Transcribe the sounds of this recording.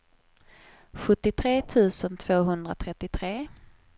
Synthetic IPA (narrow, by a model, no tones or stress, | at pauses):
ɧɵt̪ːɪt̪ʰɾeːt̪ʰʉ̟ːsənt̪ʰv̥oːɦɵnd̪ɾat̪ʰɾɛt̪ːɪt̪ʰɾeː